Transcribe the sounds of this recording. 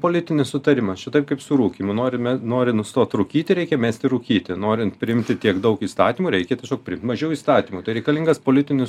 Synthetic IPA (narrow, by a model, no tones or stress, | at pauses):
poːlʲɪt̪ʲɪnʲɪssʊt̪ɐɾʲɪmɐʃʲɪt̪ɐɪp̚kɐɪpsʊɾuːkʲiːmʊnoːɾʲɪmʲɛnoːɾʲɪnst̪oːt̪ɾuːkʲiːt̪ʲɪɾʲɛɪkʲɛmʲæːsʲt̪ʲɪɾuːkʲiːt̪ʲɪnoːɾʲɪnt̪pʲɾʲɪɪmʲt̪ʲɪt̪ʲiɛkd̪ɐʊkiːst̪ɑːt̪ʲiːmuːɾʲɛɪkʲɛt̪ʲiɛsʲoːk̚pʲɾʲɪɪmt̪mɐʒʲɛʊiːst̪ɑːt̪ʲiːmuːt̪ɐɪɾʲɛɪkɐlʲɪŋɡɐspoːlʲɪt̪ʲɪnʲɪs